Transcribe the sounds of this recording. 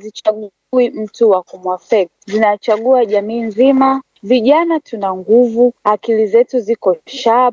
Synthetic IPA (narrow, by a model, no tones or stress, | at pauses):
zit͡ʃaɠu | wim̩tuwakumwafɛkzinat͡ʃaɠuaʄamiːnzima | viʄanatʰunaŋɡuvuakilizɛtuzikɔʃa